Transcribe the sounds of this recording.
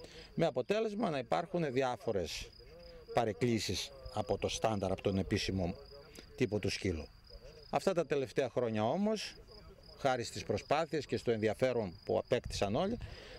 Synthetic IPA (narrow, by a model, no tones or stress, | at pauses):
meɐpo̞t̪e̞le̞zmɐnɐipɐɾxuneðiɐfo̞ɾe̞s | pɐɾe̞klisisɐpo̞t̪o̞st̪ɐnd̪ɐɾɐpo̞t̪one̞pisimo̞ | t̪ipot̪uscilu | ɐft̪ɐt̪ɐt̪e̞le̞ft̪e̞ɐxɾo̞ɲɐo̞mo̞s | xɐɾist̪ispɾo̞spɐθie̞sce̞st̪o̞e̞nðiɐfe̞ɾo̞npṵɐ̰pe̞kt̪i̥sɐno̞ʎi